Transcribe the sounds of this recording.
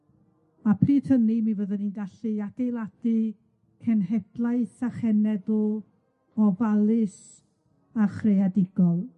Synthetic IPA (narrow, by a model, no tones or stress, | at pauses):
mapʰriːdhəniminvəðənindaɬɨaɡ̥ejlˠad̥ɨ | kʰɛnɦɛb̥lˠaɨθaχɛnɛðʊ | ɔvalˠɪs | aχrejadɪɡɔlˠ